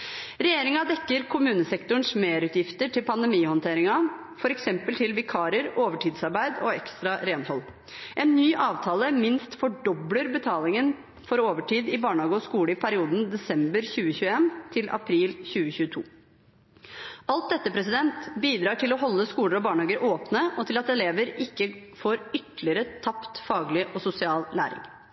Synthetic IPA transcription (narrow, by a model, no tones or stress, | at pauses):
ɾɛjeːɾɪŋɑd̪ɛkːəɾkʰʊmʉːnəsɛkt̪ʊɳ̩smeːɾʉːt̪jɪft̪əʈʰɪlpʰɑnd̪ɛmiːhɔnt̪ʰeːɾɪŋɑ | fɔɾɛksɛmpəlt̪ʰɪlʋɪkʰɑːɾəɾoːʋəʈʰiːd̪sɑɾbæɪd̪ɔɛkst̪ɾɑɾeːnhɔlː | ʔɛːnːyːʔɑːʋt̪ʰɑːləmɪnst̪fɔɖɔbləɾbət̪ʰɑːlɪŋən | fɔɾoːʋəʈʰiːd̪ɪbɑːɳɑːɡəɔskuːləɪpʰæɾɪuːd̪n̩d̪ɛsɛmbəɾçʉːəçʉːəeːnt̪ʰɪlʔɑ̰pʰɾiːlçʉːəçʉːt̪ʰṵː | ɑlt̪̚d̪ɛt̪ːəpʰɾɛs̬ɪd̪ɛnt̪biːd̪ɾɑːʈʰɪlɔɦɔlːəskuːləɾɔbɑːɳhɑːɡəɾʔoːpnəɔt̪ʰɪlɑt̪ɛleːʋəɾɪkːəfoːɾʏt̪lɪəɾət̪ʰɑpt̪fɑːɡlɪʔɔsʊsɪɑːllæːɾɪ̰ŋ